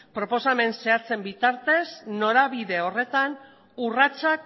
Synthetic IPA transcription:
pɾo̞po̞same̞nse̞at͡se̞mbit̪aɾt̪e̞sno̞ɾaβiðe̞o̞re̞t̪an | urat͡sak

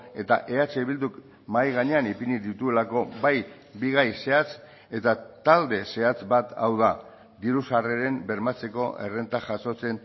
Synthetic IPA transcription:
e̞t̪a̰ʔe̞at͡ʃe̞βild̪uk | majɣaɲe̞anipiniðit̪ue̞lako̞βaj | biɣ̞ajse̞at͡s | e̞t̪at̪ald̪e̞se̞at͡sbat̪awð̞a | d̪iɾusareɾe̞mbe̞ɾmat͡se̞ko̞ʔe̞̰re̞nt̪aʝaso̞t͡se̞n

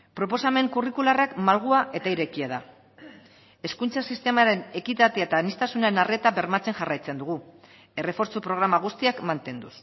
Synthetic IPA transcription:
pɾo̞po̞same̞ŋkurikularakmalɣ̞uaʔe̞t̪aiɾe̞kiað̞a | e̞skunt͡sasist̪e̞maɾe̞ne̞kit̪at̪eaet̪aːnist̪asunae̞nare̞t̪aβe̞ɾmat͡se̞ŋʝarajt͡se̞nd̪uɣ̞u | e̞re̞fo̞ɾt͡sopɾo̞ɣ̞ɾamaɣ̞ust̪iakmant̪e̞nd̪us

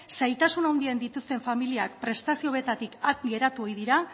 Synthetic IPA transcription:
sajt̪asunawnd̪iend̪it̪ust̪e̞ɱfamiliakpɾe̞st̪asio̞βet̪at̪ikak̪ɡe̞ɾat̪uo̞jðiɾa

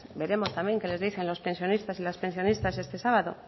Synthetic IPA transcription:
be̞ɾe̞most̪ambje̞ŋke̞le̞zðiθe̞nlo̞spe̞nsjo̞nist̪asilaspe̞nsjo̞nist̪ase̞st̪e̞saβaðo̞̰

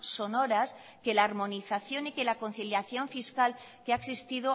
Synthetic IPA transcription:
so̞no̞ɾas | ke̞laːɾmo̞niθaθjo̞nikelako̞nθiljaθjo̞ɱfiskal | keaeksist̪iðo

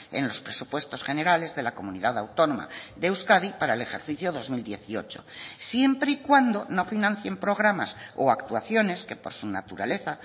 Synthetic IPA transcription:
ḛnlo̞spɾe̞supwe̞st̪o̞sχe̞ne̞ɾale̞zðe̞lako̞muniðaðawt̪o̞noma̰ðewskaðipaɾaele̞xe̞ɾθiθjoðo̞zmild̪je̞θio̞t͡ʃo̰sje̞mpɾeikwand̪o̞no̞finãn̟θje̞mpɾo̞ɣ̞ɾamasoakt̪uaθjo̞ne̞ske̞po̞ɾsunat̪uɾale̞θa

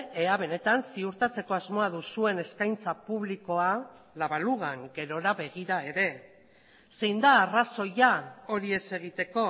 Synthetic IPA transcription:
eaβe̞ne̞t̪ansiuɾt̪at͡se̞ko̞azmo̞aðusue̞ne̞skajnt͡sapuβliko̞a | laβaluɣaŋɡe̞ɾo̞ɾaβe̞ɣ̞iɾae̞ɾe̞ | se̞jnd̪aːraso̞jao̞ɾie̞se̞ɣ̞it̪e̞ko̞

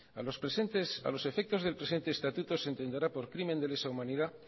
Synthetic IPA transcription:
ospst̪esa̰lo̞se̞fe̞k̚t̪o̞zðe̞lpɾe̞se̞nt̪e̞ːst̪at̪ut̪o̞sent̪e̞nd̪eɾapo̞ɾkɾimend̪e̞lesaumãniða

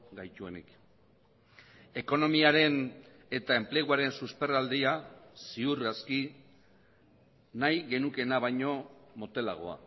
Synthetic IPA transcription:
ɡajt̪ue̞̰nḭk | e̞ko̞no̞miaɾe̞n | e̞t̪ae̞mple̞ɣ̞uaɾe̞nsuspe̞rald̪iasiuraski | najɣe̞nuke̞naβ̞ajɲo̞mo̞t̪e̞la̰ɣ̞o̞̰a̰

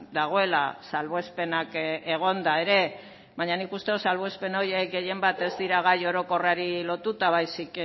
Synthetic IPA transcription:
d̪aɣ̞o̞e̞la̰salβoe̞spe̞nake̞ɣ̞o̞nd̪ae̞ɾe̞ | βaɲanikust̪eosalβoe̞spe̞no̞jeɡe̞je̞mbat̪e̞zd̪iɾaɣ̞ajo̞ɾo̞ko̞raɾilo̞t̪ut̪aβajsik

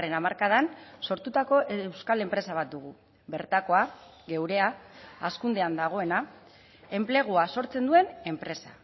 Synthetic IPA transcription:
re̞namaɾkað̞anso̞ɾt̪ut̪ako̞ʔewskale̞mpɾe̞saβ̞at̪̚d̪uɣ̞u | βe̞ɾt̪ako̞a | ɣe̞wɾe̞aːskund̪e̞and̪aɣ̞o̞e̞na | e̞mple̞ɣ̞uaso̞ɾt͡se̞nd̪ue̞ne̞mpɾe̞sa

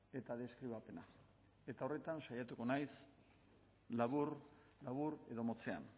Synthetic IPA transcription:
e̞t̪aðe̞skɾiβape̞na | e̞t̪ao̞re̞t̪anʃajat̪uko̞najs | laβuɾ | laβ̞uɾe̞ðo̞mo̞t͡se̞a̰n

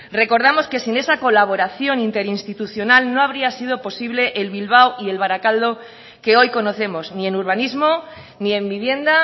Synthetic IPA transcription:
re̞ko̞ɾðamo̞ske̞sine̞sako̞laβ̞o̞ɾaθjo̞nint̪e̞ɾinst̪it̪uθjo̞nalno̞aβ̞ɾiasiðo̞po̞siβle̞ʔelβilβ̞awie̞lβ̞aɾakald̪o̞ | ke̞o̞jko̞no̞θe̞mo̞znie̞nuɾβ̞anizmo̞ | nie̞mbiβje̞nd̪a

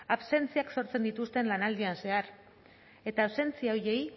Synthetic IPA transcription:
aβse̞nt͡siakso̞ɾt͡send̪it̪ust̪e̞nlanald̪ianse̞aɾ | e̞t̪aːβse̞nt͡siaoje̞j

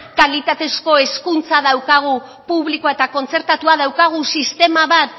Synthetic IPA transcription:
kalit̪at̪e̞sko̞e̞skunt͡saðawkaɣ̞u | puβlikoaet̪ako̞nt͡se̞ɾt̪at̪uaðawkaɣ̞usist̪e̞maβat̪̚

